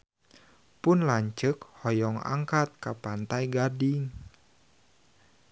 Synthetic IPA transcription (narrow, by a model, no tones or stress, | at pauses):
pʊnlaɲt͡ʃəkhɔjɔŋa̰ŋkat̪̚kapant̪ajɡadɪŋ